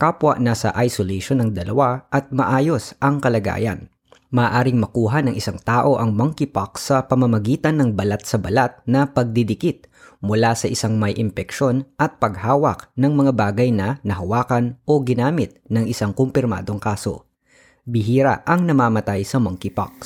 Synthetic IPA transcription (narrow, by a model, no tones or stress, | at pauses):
kapwɐ̰ʔnasɐ̰ʔajsoleʃonɐŋd̪ɐlɐ̰waʔɐt̪̚mɐʔaːjo̞sʔɐŋkɐlɐɡa̰ːjɐ̰n | mɐːʔaːɾɪŋmɐkuːɦanɐŋʔɪsaŋt̪aːʔo̞ʔɐŋmɐŋkɪpɐksɐpɐmɐmɐɡiːt̪ɐnːɐŋbɐlat̪̚sɐbɐlat̪̚nɐpɐɡ̚d̪ɪd̪ɪkɪt̪̚mʊlasɐʔɪsaŋmɐjʔɪmpɛkʃo̞nʔɐt̪̚pɐɡhaːwɐk̚nɐŋmɐŋabaːɡɐjnɐnɐɦɐwaːkɐnʔo̞ɡɪnaːmɪt̪̚nɐŋɪsaŋkompɪɾma̰ːd̪o̞ŋkaːso̞̰ | bɪɦiːɾɐ̰ʔɐŋnɐmaːmɐt̪ajsɐmɐŋkɪpa̰k̚s